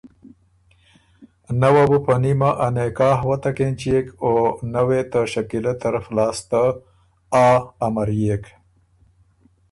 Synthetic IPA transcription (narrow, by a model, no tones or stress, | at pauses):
nawabupɐnimaʔanekɑːɦwat̪akent͡ʃekonawet̪aʃɐkilat̪ɐɾaflɑːst̪a | aːmɐɾjek